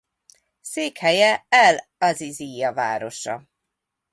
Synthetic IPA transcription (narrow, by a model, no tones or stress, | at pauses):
seːkhɛjɛɛlɒzizijɒva̰ːɾo̞ʃɒ̰